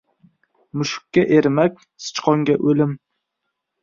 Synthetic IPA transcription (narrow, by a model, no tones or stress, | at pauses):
mʊʃʊ̥kʲːaʔeɾmakʲ | sɨ̥t͡ʃqʰɒŋɡʲaʔɵlɪm